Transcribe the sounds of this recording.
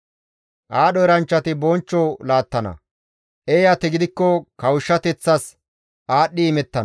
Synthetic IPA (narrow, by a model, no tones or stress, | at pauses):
ʔaːɗɔɛɾɐnt͡ʃːɐt̪ɪbɔnt͡ʃːɔlaːt̪ːɐnɐ̰ | ʔejɐt̪ɛɡɪd̪ɪkːɔkɐwʊʃːɐt̪ɛt͡sːɐs | ʔaːɗːɪːmɛt̪ːɐn